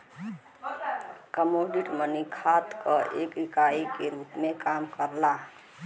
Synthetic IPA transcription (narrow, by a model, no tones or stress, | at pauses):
kəmoɖiʈmənikʰat̪kəʔekɾikaikeɾupmekamkəɾla